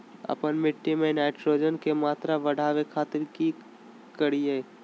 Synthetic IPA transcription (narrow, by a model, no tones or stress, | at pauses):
ə̰pənmɪʈːimenaɪʈɾod͡ʒənkemaːt̪ɾaʋəɽ̤ʱaːʋekʰaːt̪ɪɾki | kəɾie